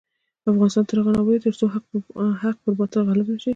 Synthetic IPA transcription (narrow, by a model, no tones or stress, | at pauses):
afɣɑnɪst̪ɑnt̪əɾaɣɑnawəlit̪əɾsoɦahaq̚pəɾbɑt̪alɣalɪbnaʃi